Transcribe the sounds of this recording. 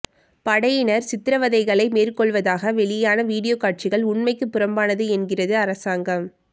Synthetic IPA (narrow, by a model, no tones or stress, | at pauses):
pɐɽɐjɪnɐɾsɪt̪ːɪɾɐʋɐðɐɪɣɐɭɐɪmeːrkɔɭʋɐðaːɣɐʋɛɭɪjaːnɐʋiːɽɪjoːkaːʈ̚t͡ʃɪɣɐɭʊɳmɐɪkːɯpːɯɾɐmbaːnɐðɯɛnɡɪrɐðɯɐɾɐsaːŋɡɐm